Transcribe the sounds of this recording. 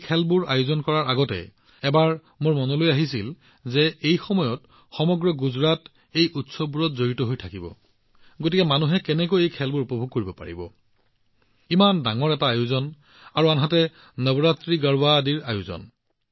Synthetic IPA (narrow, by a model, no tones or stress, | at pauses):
kʰɛlbuɹa̰juzɔnkɔɹaɹaɡɔtɛ̰ | ɛbaɹ | moɹmɔnɔlojaɦisil | zɛejxɔmɔjɔt | xɔmɔɡɹɔɡuzɹat | ejutsɔbuɹɔtzoɹitɔɦojtʰakibɔ̰ | ɡotikɛmanuɦɛkɛnɛkojejkʰɛlbuɹupɔbʱuɡ̚koɹibɔpa̰ɹḭbɔ̰ | imandaŋɔɹɛtaːjʊzɔn | aɹuanɦatɛ | nəbɔɹatɹiɡaɹbadiɹa̰juzɔ̰n